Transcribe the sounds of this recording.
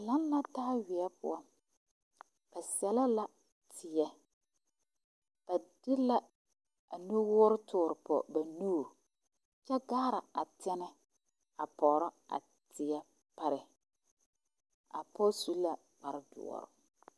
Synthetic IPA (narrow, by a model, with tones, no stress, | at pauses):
a˨la˦nːa˦taː˦wɪ˨ɛ˦pʊ̰˦a˦ | b̥a˨sɛ˦la˦la˦ | tʰɪ˨jɛ˨ | b̥a˨d̥ɪ˦la˦ | a˨nu˦wʊ˦ɾʊ˦tʰʊː˨ɾɪ˨pɔ̰˨ba˨nu˦˨ | t͡ʃɛ˦ɡaː˦ɾa˨a˨tɛ˦nɛ˦ | a˨pɔ˨ɾɔ˦a̰˨ | tɪ˨ɛ˦ | pa˨ɾɪ˨ | a̰˨pɔ˦su˦la˦ | k͡pa˨ɾɪ˦dʊ̰˨ɔ̰˨ɾʊ̰˨